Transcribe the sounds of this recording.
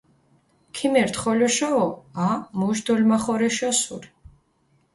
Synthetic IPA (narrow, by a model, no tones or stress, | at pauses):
kʰimɛɾt̪χɔlɔʃɔːamuʒd̪ɔlmaχɔɾɛʃɔsuɾ